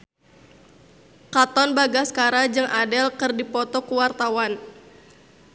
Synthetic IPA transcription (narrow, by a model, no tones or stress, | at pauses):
kat̪ɔnbaɡaskaɾad͡ʒɨŋʔadɛlkɨrdipɔt̪ɔkuwart̪awan